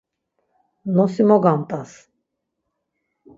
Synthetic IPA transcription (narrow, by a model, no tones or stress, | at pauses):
nosimoɡãnt̪as